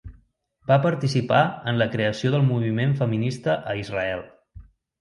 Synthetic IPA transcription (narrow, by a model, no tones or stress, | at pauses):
bapəɾt̪isipaənləkɾeəsioðəlˠmuβimeɱfəminist̪əʔəizrəɛlˠ